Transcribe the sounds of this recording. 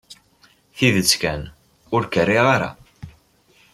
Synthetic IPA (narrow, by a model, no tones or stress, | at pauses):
θiðət͡sːkæn | ʊɾkərːɪʁaɾa̰